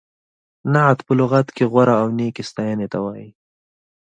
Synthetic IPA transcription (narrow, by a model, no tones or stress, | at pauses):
naʕat̪pəlʊɣat̪keɣwaɾaːwnekest̪ajanet̪awaːji